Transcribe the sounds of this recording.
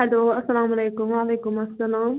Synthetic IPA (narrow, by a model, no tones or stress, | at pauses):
ad̪oɐsːɐlaːmɐleːkʊmʋaːleːkʊmɐsːɐlaːm